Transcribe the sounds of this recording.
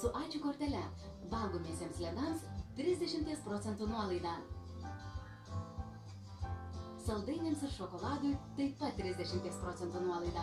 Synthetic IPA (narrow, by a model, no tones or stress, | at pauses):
sʊʔɑːˑɪt͡ʃʲukoːɾʲt̪ʲɛlʲɛ | ʋɐlˠɡoːmʲiːsʲiɛmslʲɛɡ̪ɐmst̪ʲɾʲɪzʲd̪ʲɛʃʲɪmʲt̪ʲiɛspɾoːt̪sʲɛnt̪uːnuɔlˠɐɪd̪ɑː | sɐlˠd̪ɐɪnʲeːmsɪɾʃoːkoːlˠɑːd̪ʊjt̪ɐɪpɐt̪ʲːɾʲɪzʲd̪ʲɛʃʲɪmʲt̪ʲiɛspɾɔːsʲɛnt̪uːnuɔlˠɐɪd̪ɑː